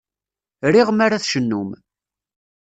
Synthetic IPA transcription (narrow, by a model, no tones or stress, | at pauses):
ɾiʁmaɾaθʃənːum